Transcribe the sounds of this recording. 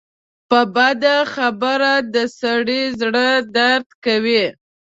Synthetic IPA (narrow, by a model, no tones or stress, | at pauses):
pəbad̪axabəɾad̪əsaɽizɽəd̪aɾt̪kawi